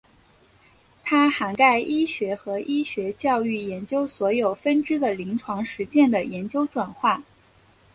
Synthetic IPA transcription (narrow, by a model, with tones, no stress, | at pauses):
t̪ʰa˥xa˧˥nka˥˩ɪʔi˥ɕɥɛ˧˥xɤ˧˥ʔi˥ɕɥɛ˧˥t͡ɕjɑ˥˧ʊy˥˩jɛ˧˥nt͡ɕjo˥ʊswɔ˧˥jo˨˩ʊfə˥nʈ͡ʂɻ̩˥d̪ə˨li˧˥ŋʈ͡ʂʰwɑ˧˥ŋʂɻ̩˧˥t͡ɕjɛ˥˩nd̪ə˩jɛ˧˥nt͡ɕjo˥ʊʈ͡ʂwa˨˩nxwa˥˩n